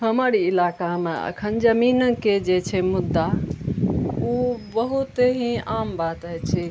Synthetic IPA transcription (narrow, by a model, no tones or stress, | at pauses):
ɦəməɾiːlakameə̰kʰənd͡ʒəminəked͡ʒet͡ʃʰɛmud̪ːa | ubəɦut̪eɦĩambat̪ɦət͡ʃʰɛ